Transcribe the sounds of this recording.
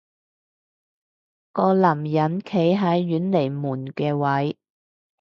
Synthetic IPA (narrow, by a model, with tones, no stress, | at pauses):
kɔː˧lɐ˨˩mjɐ˨˥nkʰe˨˥jɦɐ˨˥jːyː˨˥nle˨˩jmuː˨˩nkɛː˧wɐ˨˥j